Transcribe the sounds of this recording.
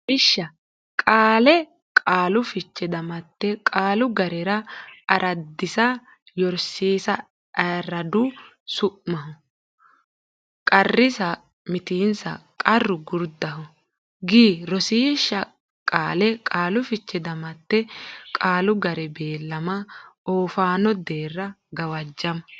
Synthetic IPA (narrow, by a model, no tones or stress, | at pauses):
ʔɪʃːɐ | kʼaːlɛ | kʼaːlʊfɪt͡ʃːɛd̪ɐmɐt̪ːɛkʼaːlʊɡɐɾɛɾɐɐɾʔɐd̪ːɪsɐ | jɔɾsiːsɐ | ɐrːɐd̪ʊ | sʊʔmɐɦʊ | kʼɐrːɪsɐ | mɪt̪iːnsɐ̰kʼɐrːʊɡʊɾd̪ɐɦʊ | ɡiːɾɔsiːʃɐ | kʼaːlɛkʼaːlʊfɪt͡ʃːɛd̪ɐmɐt̪ːɛkʼaːlʊɡɐɾɛbeːlːɐmɐoːfaːnɔd̪eːrːɐ | ɡɐwɐd͡ʒːɐmɐ